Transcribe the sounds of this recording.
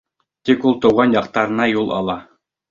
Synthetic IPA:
t̪ikulˠt̪ŏwʁɑnjɑqt̪ɑɾɤ̆nɑjulˠʔɑ̰lˠɑ

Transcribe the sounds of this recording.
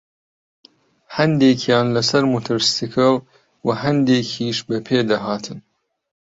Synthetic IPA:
hɐnd̪eːkʰjaːnlɐsɐɾmut̪ʰɐɾst̪ikʰɨl | wɐɦɐnd̪eːkʰiːʃbɐpʰeːd̪ɐɦaːt̪ʰɨn

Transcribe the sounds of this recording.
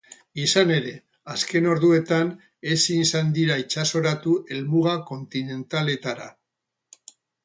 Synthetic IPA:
isane̞ɾe̞ | aske̞no̞ɾðue̞t̪an | e̞sinsand̪iɾait͡ʃaso̞ɾat̪uʔe̞lmuɣako̞nt̪ine̞nt̪ale̞t̪aɾa̰

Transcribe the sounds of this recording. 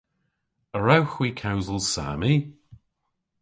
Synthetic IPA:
əɹawxwiːkʰawzəlˠsa̰ːmi

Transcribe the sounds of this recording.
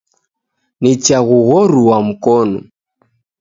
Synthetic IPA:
nit͡ʃaɣuɣɔɾuwam̩kɔnɔ̰

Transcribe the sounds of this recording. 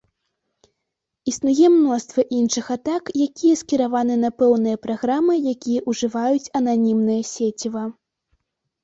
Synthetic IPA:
isnujɛmnɔst̪vɐʔinʂɨxat̪akjakʲijɛɐskʲiɾavanɨnɐpɛwnɨjɐpɾaɣɾamɨjakʲijɐʔuʐɨvajut͡sʲɐnanʲimnɨjɐsʲet͡sʲivɐ

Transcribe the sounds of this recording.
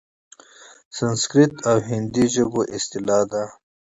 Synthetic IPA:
sɐnskɾit̪awɦind̪iʒəboʔɪst̪ilaːd̪a

